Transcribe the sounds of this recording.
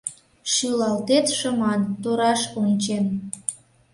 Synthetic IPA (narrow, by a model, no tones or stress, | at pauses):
ʃylɑlt̪et̪ʃəmɑnt̪oɾɑʃonʲt͡ɕen